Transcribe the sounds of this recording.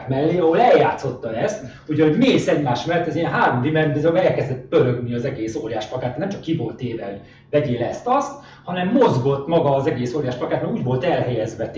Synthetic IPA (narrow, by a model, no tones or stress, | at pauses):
kmɛlːeːɒɦo̞lɛljaːt̪so̞t̪ːɒɛst̪ | huɟɒoɟmeːsɛɟmaːʃmɛlːɛt̪ɛziɛnɦaːɾomd̪imɛnbɛzøɡɛlkɛzd̪ɛt̪̚pøɾøɡniɒzɛɡeːsoːɾijaːʃplɒkaːt̪ːɛnɛmt͡ʃɒ̥kːiboːlt̪eːvɛl | vɛɟeːlɛst̪ɒst̪ | hɒnɛmːo̞zɡo̞t̪ːmɒɡɒːzɛɡeːsoːɾijaːʃplɒkaːt̪nmɛɡuːɟvo̞lt̪ɛlɦɛjɛzʋɛt̪